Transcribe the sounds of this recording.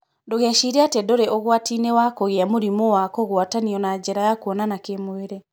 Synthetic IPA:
ndoɣɛʃiɾeatedoɾeʔɔɣwatinewakoɣeamoɾimowakoɣwataniɔnad͡ʑɛɾajakwɔnanakemoeɾe

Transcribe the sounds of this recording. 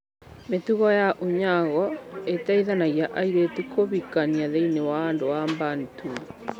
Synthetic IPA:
metuɣɔjaʔoɲaɣɔetaiðanaɣiaʔaiɾetukʰoβikaniaðeinewaːndowambantu

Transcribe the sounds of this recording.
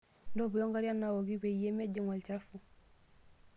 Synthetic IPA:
ndobujoŋɡaɾjanːawoɡibejemeɟiŋalcafu

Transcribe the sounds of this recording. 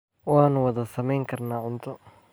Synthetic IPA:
wɑːnʊwɐðɐsɐmɛjŋkʰɐrnaːʕʊnt̪ʰʊ

